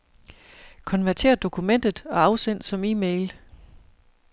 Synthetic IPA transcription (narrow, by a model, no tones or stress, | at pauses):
kʰɒ̽nʋæɐt͡sʰe̝̰ːɐd̥o̝kʰumen̰d̥ð̩ˠɒ̽ɑ̈ʊsen̰̥sɒ̽miːmeɪl